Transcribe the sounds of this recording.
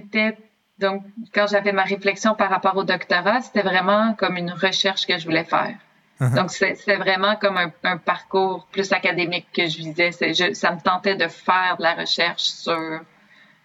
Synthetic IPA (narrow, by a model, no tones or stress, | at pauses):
set̪ɛ | d̪ɔ̃kːɑ̃ʒavɛmaʁeflɛksjɔ̃paʁːapɑːʁod̪ɔkt̪ɔʁase̥t̪ɛvʁɛmɑ̃kɔmynʁəʃɛʁʃkəʒəvulɛfɛ̰ːʁ | d̪ɔ̃ksɛse̥t̪ɛvʁɛmɑ̃kɔmɛ̃œ̃paʁkuːʁplysakad̪emɪkːəʒəvizɛsɛʒəsamət̪ɑ̃t̪ɛd̪əfɛːʁd̪əlaʁə̰ʃɛʁʃsyːʁ